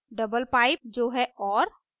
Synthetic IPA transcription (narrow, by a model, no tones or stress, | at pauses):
ɖəbəlpaːɪp̚d͡ʒoːɦɛɔːɾ